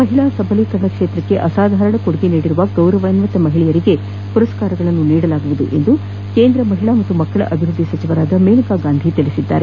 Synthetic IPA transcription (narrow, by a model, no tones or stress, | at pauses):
mɐɦiɭaːsɐbʱɐliːkɐɾɐɳɐkʂeːt̪ɾɐkːe̞ʔɐsaːd̪ʱaːɾɐɳɐkoɽuɡeniːɽiɾuʋɐɡɐwɾɐʋɐjɐnmɐt̪ːɐmɐɦiɭɛjɐɾiɡe̞ | puɾɐskaːɾɐɡɐɭɐnːuniːɽɐlaːɡuʋud̪uʔe̞̰nd̪u | keːnd̪ɾɐmɐɦiɭaːmɐt̪ːumɐkːɐɭɐ̰ʔɐbʱiɾud̪ʱːisɐt͡ʃiʋɐɾaːd̪ɐmeːnikaːɡaːnd̪ʱit̪iɭisid̪ːa̰ːɾe